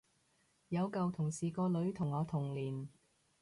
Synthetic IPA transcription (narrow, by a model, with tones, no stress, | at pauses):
jɐ˨˧wkɐ˨wt̪ʰʊ˨˩ŋsiː˨kɔː˧lɵ˨˥ɥt̪ʰʊ˨˩ŋːɔː˨˧t̪ʰʊ˨˩ŋliː˨˩n